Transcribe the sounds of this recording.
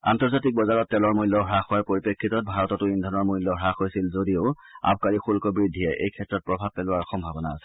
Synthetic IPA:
a̰ntɔɹzatik̚bɔzaɹɔtːɛlɔɹmuilːɔɹaxowaɹpoɹipekʰːitɔt̚bʱaɹɔtɔtʊindʱɔnɔɹmuilːɔɹaxojsilzodiʊ | a̰b̚kaɹixulkɔbɹidʱːijɛʔḛjkʰɛtɹɔt̚pɹɔbʱab̚pɛlʊwaɹɔxɔmbʱabɔnaːsɛ̥

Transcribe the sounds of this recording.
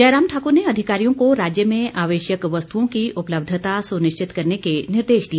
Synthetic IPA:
d͡ʒɐːɾaːmʈʰaːkʊɾneɐd̪ʱɪkaːɾijõkoɾaːd͡ʒjəmẽaːʋeːʃjəkʋɐst̪uõkiʔʊpləb̚d̪ʱt̪asʊnɪʃt͡ʃɪt̪kɐɾnekenɪɾd̪eːʃd̪i

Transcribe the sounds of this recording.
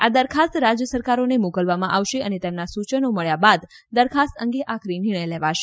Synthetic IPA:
ad̪əɾkʰast̪ɾad͡ʒjəsəɾkaɾonemokəlʋamãʔaʋʃeʔənet̪emnasut͡ʃənoməɭjabad̪ː | əɾkʰast̪əŋɡeʔakʰɾiniɳ̃əjleʋaʃe

